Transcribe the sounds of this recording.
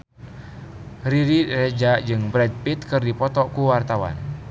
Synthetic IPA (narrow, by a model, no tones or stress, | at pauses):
riɾirɛd͡ʒad͡ʒɨŋbɾɛd̚pit̪̚kɨrdipɔt̪ɔkuwart̪awa̰n